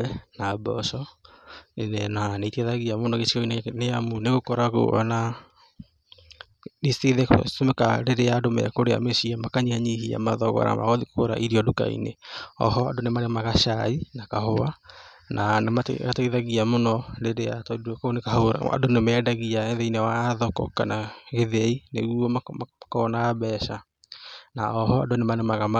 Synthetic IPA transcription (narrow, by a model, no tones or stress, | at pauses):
ɛnabɔ̰sɔ | enɛnaneiteðaɣiamonɔɣet͡ʃiɔineneamuneɣokɔɾaɣo̰ɔ̰na | iseðesomɛkaɾeɾeaːdomɛ̰ɛkoɾea̰mesiamakaɲihaɲihia̰maðɔɣɔ̰ɾa̰ma̰ɣɔðikkoɾa̰ʔiɾiɔduka̰ḭnḛɔ̰hɔa̰donemanemaɣaʃainakahoananema̰ataiðaɣiamonɔɾeɾeatdkonekaoɾa̰a̰donemɛdaɣiaɛðɛinewaðɔkɔ̰kanaɣeðeineɣuɔmmakɔnaaβɛːʃa | naɔɦɔa̰donemanemaɣama